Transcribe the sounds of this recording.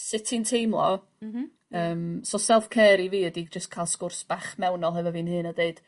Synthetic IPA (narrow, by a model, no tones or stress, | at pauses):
sɪtʰintʰejmlˠɔ̰ | əːmsɔsɛlˠfkʰɛːɾiviːədid͡ʒəskʰaɪlˠskʊrsb̥aχmɛwnɔlˠɦɛvɔvinhɨːnadeɨd̥